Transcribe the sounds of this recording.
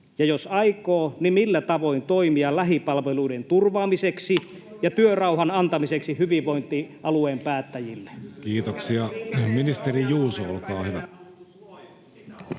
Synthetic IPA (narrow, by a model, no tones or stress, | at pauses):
jɑjosɑikoːnimilːæt̪ɑʋo̞int̪oimiɑlæɦipɑlʋeluident̪urʋɑːmiseksi | jɑt̪yørɑuɦɑnɑnt̪ɑmiseksihyʋiʋʋo̞int̪iʔɑlueːmpæːt̪ːæjilːekiːt̪oksiɑminist̪eɾijuːsoo̰lkɑːhyʋæ